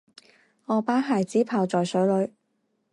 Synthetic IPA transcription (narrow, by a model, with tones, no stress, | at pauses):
ɔː˨˧paː˨˥ɦaː˨˩jt͡siː˨˥pʰaː˨wt͡sɔː˨jsɵ˨˥ɥlɵ˨˧ɥ